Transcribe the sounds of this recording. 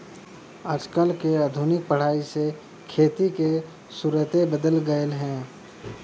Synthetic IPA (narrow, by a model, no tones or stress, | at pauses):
aːd͡ʒkəlkeaːd̪ʱʊnɪk̚pəɽ̤aːise | kʰeːt̪ike | suɾət̪ebəd̪əlɡəelɦɛ̃ː